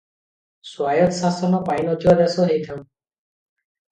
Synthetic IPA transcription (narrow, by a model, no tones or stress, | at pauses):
swajɔt̪sasɔnɔpajnɔd̪ʱiɔd̪ɛsɔɦejt̪ʰaw̃